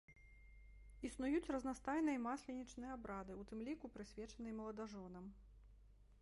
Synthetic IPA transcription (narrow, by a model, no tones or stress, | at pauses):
isnujut͡sʲrɐznast̪ajnɨjɐmasʲlʲɛnʲit͡ʂnɨjɛabɾad̪ɨut̪ɨmlʲikupɾɨsʲvʲɛt͡ʂɐnɨjɐmɐlˠɐd̪aʐɔnɐm